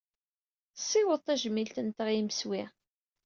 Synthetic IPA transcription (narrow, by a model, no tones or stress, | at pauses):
sˤːɪwəðˤt̪ˤːæʒəmːilt̪ənt̪əʁiməswi